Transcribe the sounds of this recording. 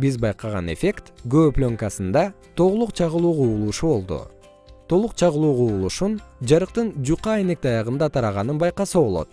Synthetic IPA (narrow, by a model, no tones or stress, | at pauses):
bizbɑjqɑʁɑ̰ne̞̰fʲe̞kt̪ɡøplʲo̞ŋkɑsɯnd̪ɑ | t̪ʰo̞ʁulˠuqt͡ʃʰɑʁɯlˠuːquːlˠuʃuβo̞lˠd̪ṵ | t̪ʰo̞lˠuqt͡ʃʰɑʁəlˠuːʁuulˠuʃund͡ʒɑɾɯqt̪ɯnd͡ʒuqɑejne̞k̚t̪ɑjɑʁɯnd̪ɑt̪ʰɑɾɑʁɑnɯnbɑjqɑsɯβo̞lˠo̰t̪̚